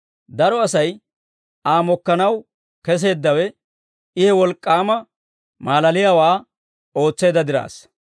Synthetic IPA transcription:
d̪ɐɾɔɐsɐj | aːmɔkːɐnɐw | kɛs̬e̞ːd̪ːɐwɛ | ɪhɛwɔlkʼːaːmɐ | maːlɐlɪjaːwaː | o̞ːt͡sːe̞ːd̪ɐd̪ɪɾa̰ːs

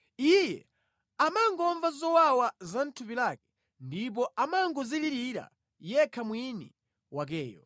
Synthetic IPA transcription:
ijɛ̰ | amaŋɡɔɱvazɔwawazan̩tʰupilak̚ɛ̥ | ndip̬ɔʔamaŋɡɔziliɾiɾa̰ | jɛkʰamwinḭ | wak̬ɛːjɔ̰

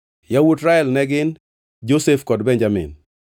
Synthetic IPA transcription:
jawutɾaɛlnɛɡɪn | d͡ʒosefkɔdbɛnd͡ʒamɪ̰n

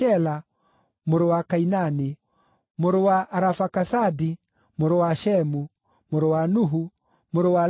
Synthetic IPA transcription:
ɛla | moɾowakainani | moɾowaʔːɾafakasadi | moɾowaʃɛmu | moɾowanuɦu | moɾowa

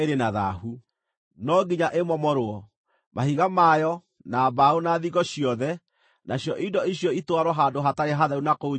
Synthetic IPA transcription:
eɾenaða̰hu | nɔɡiɲaʔemɔmɔɾoɔ | mahiɣamajɔ | nabaonaːðiɣɔɕjɔðɛ | nʔaɕjɔʔidɔiɕjɔitwaɾwɔɦaːdoɦataɾeɦaðaunako

